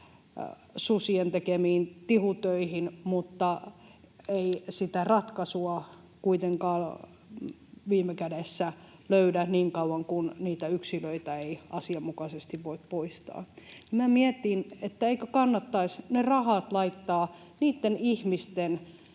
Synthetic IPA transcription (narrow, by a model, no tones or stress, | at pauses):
susient̪ekemiːnt̪ihut̪øihinmut̪ːɑ | eisit̪ærɑt̪kɑsuɑ | kuit̪eŋkɑːl | ʋiːmekædesːæløydæniːŋkɑuwɑŋkunniːt̪æyksiløit̪æeiɑsiɑmmukɑsest̪iʋʋoit̪̚poist̪ɑ̰ːnimæmiet̪inet̪ːæeikøkɑnːɑt̪ːɑisnerɑhɑt̪lɑit̪ːɑː | niːt̪ːenihmist̪en